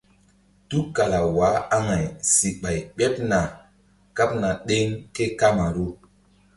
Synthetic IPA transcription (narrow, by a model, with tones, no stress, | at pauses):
tu˦ka˨la˨wa˨˦a˦ŋa˨jsi˨ɓa˨jɓɛ˦p̚na˨ | ka˦p̚na˨ɗe˦ŋte˦ka˦ma˨ɾu˦